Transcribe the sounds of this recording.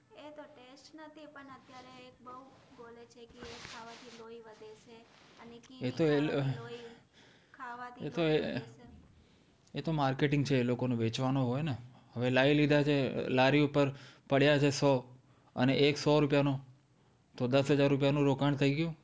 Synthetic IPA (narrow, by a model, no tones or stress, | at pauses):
et̪oʈesʈnət̪ipəɳət̪jaɾeːk̚bəu | bolet͡ʃʰekeekʰaʋat̪ʰiloiʋəd̪ʱet͡ʃʰeəneet̪oe | kʰaʋat̪ʰiet̪oe | et̪omaɾkeʈɪŋɡt͡ʃʰeːlokoneʋet͡ʃʋanoɦojne | ɦəʋelailid̪ʱat͡ʃʰelaɾiupəɾpəɽjat͡ʃʰesɔ | ə̰neʔeksɔɾupjano | t̪od̪əsɦəd͡ʒaɾːup̬janũɾokaɳ̃t̪ʰəiɡəjũ